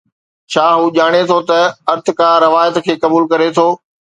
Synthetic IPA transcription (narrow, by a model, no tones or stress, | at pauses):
t͡ɕʰaːɦuːʄaːɽ̃et̪ʰot̪ɐɐɾt̪ɪkaːɾːɐʋaːjət̪kʰeːkɐbuːlkɐɾet̪ʰoː